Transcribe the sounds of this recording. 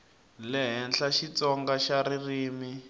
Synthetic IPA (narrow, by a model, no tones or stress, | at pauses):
lɛɦɛnɬaʃit͡sɔŋɡaʃaririːmi